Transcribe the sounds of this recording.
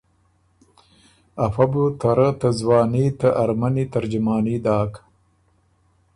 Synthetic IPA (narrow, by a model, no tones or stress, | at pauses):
afabut̪aɾat̪azwɑːniːt̪aʔaɾmanit̪aɾd͡ʒʊmɑːnid̪ɑːk